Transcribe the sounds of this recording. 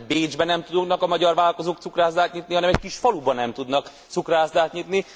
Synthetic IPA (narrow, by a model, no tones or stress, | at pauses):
beːd͡ʒbɛnɛmt̪ud̪onɒkɒmɒɟɒrvaːlkozoːk̚t̪sukraːzd̪aːt̪ɲit̪niɦɒnɛmɛckiʃfɒlubɒnɛmt̪ud̪nɒk | t̪sukraːzd̪aːt̪ɲit̪ni